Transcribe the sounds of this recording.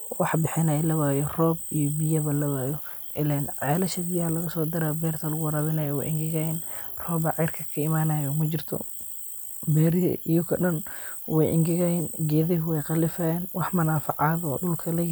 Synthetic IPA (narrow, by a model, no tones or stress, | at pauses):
wɑħbɪħɪnɐjlɐβaːjɔrɔːb̚ijɔbɪjɐβɐlɐβaːjɔʔɪlɛnʕɛːlɐʃɐbɪjɐɐlɐɣɐsɔːd̪ɐɾaːbɛːrt̪ʰɐlɐɣʊɾɐβɪnɐjɔwɛ̰jʔɪŋɡɪɣɐjɪnrɔːbɐʕɛjrkʰɐkʰɐɪmaːnɐjɔmɐt͡ʃɪrt̪ʰɔ̰ | bɛːɾ̰ʔɪjɔkʰɐ̰ɗɐnwɛjʔɪ̰ŋɡɪɣɐjɛnɡɛːðɪɦʊwɛjqɑlɪfɐɛːnwɑħmɐnaːfɑʕɑðɔ̰ːɗʊlkʰɐlɛj